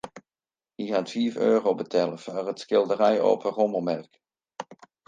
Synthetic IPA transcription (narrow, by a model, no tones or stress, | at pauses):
ɦiɦatfiføːrowbətʰɛləfarətsχɪlˠdəɾɛjo̰ːpərɔməlˠmɛrk